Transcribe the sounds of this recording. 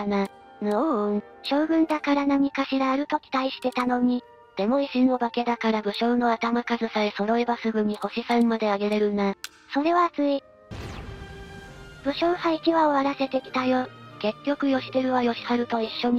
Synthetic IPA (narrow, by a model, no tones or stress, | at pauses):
ana | noɯ | ɕo̞ːɡɯ̟̃nd̪akaɾanamʲikaɕiɾaːɾɯ̟t̪o̞kʲi̥t̪aiɕi̥t̪e̞t̪ano̞ɲ̟i | d̪̥e̞mo̞iɕino̞bake̞d̪akaɾabɯ̟ɕo̞ːno̞at̪amakazɨsaeso̞ɾo̞ebasɨɡɯ̟ɲ̟iho̞ɕisanmad̪e̞aɡe̞ɾe̞ɾɯ̟na | so̞ɾe̞βaːt͡sɨi | b̥ɯ̟ɕo̞ːhaikʲiβaoaɾase̞t̪e̞kʲi̥t̪ajoːke̞kʲːo̞kɯ̟jo̞ɕi̥t̪eɾɯ̟βajo̞ɕi̥haɾɯ̟t̪o̞iɕːo̞ɲ̟i